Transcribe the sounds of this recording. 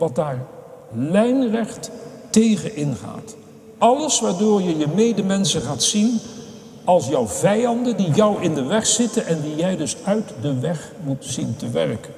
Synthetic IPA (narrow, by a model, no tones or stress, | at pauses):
ʋɑt̚daːɹ | lɛjnrɛχt | tejχənʔɪnχa̰ːt | ɑləsʋaːɹdoːɹjəjəmejdəmɛnsəχaːtsin | ɑlˠsjʌwvɛjɑndəndijʌwʔɪndəʋɛχsɪtənʔɛndijɛjdɵsœɥtdəʋɛχ | mutsintəʋɛ̰rkən